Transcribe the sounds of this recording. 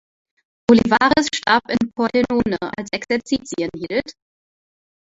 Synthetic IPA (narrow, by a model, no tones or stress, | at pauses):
b̥olivaːʁəsʃtaɐpɪnpʰɔɐlenoːnəʔa̰lsɛksɛɐt͡siːt͡siəniːl̩t